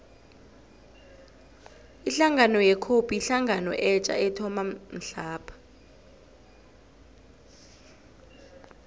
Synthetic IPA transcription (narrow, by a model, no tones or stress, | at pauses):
iɬaŋɡanɔjɛkʰopʼiiɬaŋʱanɔ̰ʔɛt͡ʃʼa̰ɛtʰɔmam̩ɬaːpʰḁ